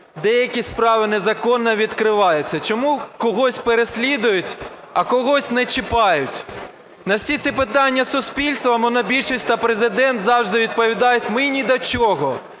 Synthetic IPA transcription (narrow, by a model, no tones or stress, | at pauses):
d̪ɛjɐkʲispɾɑʋɪnezɐkɔnːɐʋʲid̪kɾɪʋɑjʊt͡sʲːɐt͡ʃɔmukɔɦɔsʲpeɾesʲlʲid̪ʊjʊtʲ | ɐkɔɦɔsʲnɛt͡ʃɪpɑjʊtʲ | nɐwsʲit̪sʲipɪt̪ɑnʲːɐsʊspʲilʲst̪ʋɐmɔnɐbʲilʲʃisʲt̪ɐpɾezɪd̪ɛnt̪zɑwʒd̪ɪʋʲid̪̚pɔʋʲid̪ɑjʊtʲmɪnʲid̪ɐt͡ʃɔɦɔ